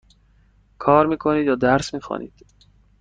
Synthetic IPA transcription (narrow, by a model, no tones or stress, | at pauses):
kʰɒːɾmiːkʰoniːd̪jɒːd̪æɾsmiːxɑ̰ːnʔḭːd̪̥